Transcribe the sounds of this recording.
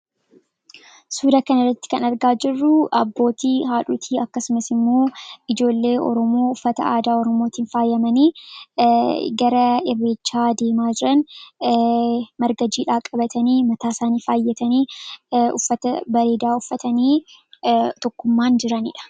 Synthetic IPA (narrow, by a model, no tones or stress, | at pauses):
suːd̪akɐnɐrːɐt̪ːɪ̥kɐnɐɾɡaːd͡ʒɪrːʊɐ̰bːo̞ːt̪iːɦaːᶑuːt̪ʰiːɐkːɐsʊmɐsɪmːoːɪd͡ʒo̞ːlːe̞ːʔɔ̰ɾɔmoːʊfːɐt̪ɐ̰aːd̪aːɔɾɔmoːt̪iːnfaːjːɐmɐniː | ɡɐɾɐɪrːeːt͡ʃːaːd̪e̞ːmaːd͡ʒɪɾɐn | mɐɾɡɐd͡ʒiːᶑaːkʼɐbɐt̪ɐniːmɐt̪aːsaːniːfaːjːɛt̪ɐniːʊ̰fːɐt̪ɐbɐɾeːd̪aːʊfːɐt̪ɐniː | t̪ɔkːʊmːaːnd͡ʒɪɾɐnɪ̰ᶑɐ̥